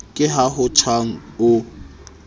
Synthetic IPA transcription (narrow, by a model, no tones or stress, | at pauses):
kʼɪɦaɦʊt͡ʃʰwaŋ̩ʊ